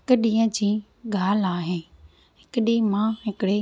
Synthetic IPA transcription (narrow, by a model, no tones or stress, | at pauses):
ɦɪkəɗĩːə̃d͡ʑĩː | ɡʱaːlaːɦɪn | ɦɪkɗĩːmãːɦɪkɪɽe